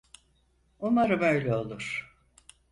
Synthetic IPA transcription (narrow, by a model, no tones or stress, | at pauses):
umaɾɯmø̞jlʲɛo̞lˠuɾ̥